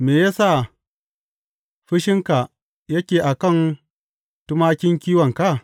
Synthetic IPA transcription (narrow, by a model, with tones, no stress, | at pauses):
meː˨jaː˦sa˦˨ | ɸɪ˦ʃɪ˦ŋka˨ | jɐ˦kʲeː˨ʔa˨kɐ˦˨n | tʊ˦maː˦kʲɪ˦ŋkʲiː˦wɐ˨ŋka˦˨